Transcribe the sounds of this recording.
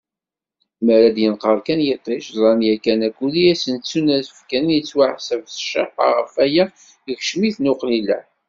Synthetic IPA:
məɾæd̪jənqəɾˤkænjet̪ˤːɪʃzˤɾˤɑnjækːænækːuliæsənt͡sːunæsəfkænnjət͡sːwaʕsævθə̥ʃɑ̰qːɑ̰ʁə̰fæjæ | əçʃmiθnʊqlilæ̰

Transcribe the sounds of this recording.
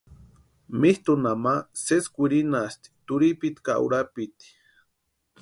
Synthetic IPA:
miht̪unamaseskʷiɾinast̪i̥t̪uɾipit̪ka̰ʔṵɾapit̪i̥

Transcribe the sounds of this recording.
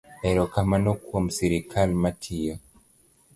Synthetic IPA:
ɛɾɔkamanɔkuam̩siɾikalmatʰiɔ

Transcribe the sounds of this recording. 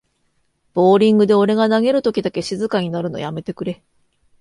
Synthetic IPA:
b̥o̞ːɾʲĩŋɡɯ̟d̪e̞o̞ɾe̞ɡanaɡe̞ɾɯ̟t̪okʲid̪ake̞ɕizɨkaɲ̟inaɾɯ̟no̰jame̞t̪e̞kɯ̟ɾe̞

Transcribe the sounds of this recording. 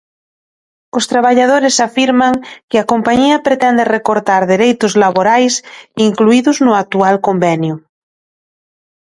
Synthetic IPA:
ost̪ɾaβ̞aʎað̞oɾesafiɾmaŋkeakompaɲiapɾet̪ɛnd̪erekoɾt̪aɾðeɾejt̪ozlaβoɾajsiŋkluiðoznoak̚t̪ualkombɛnju

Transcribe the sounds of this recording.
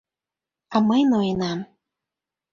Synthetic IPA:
ɑməjnojənɑm

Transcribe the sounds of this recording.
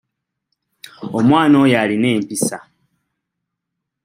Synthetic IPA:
omwaːnoːjaline̞ːmpisa

